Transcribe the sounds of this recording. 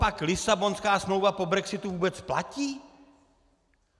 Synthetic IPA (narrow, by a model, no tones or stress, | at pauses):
paklɪsabonskaːsmlowvapobɾɛksɪt̪uvuːbɛt͡spla̰ciː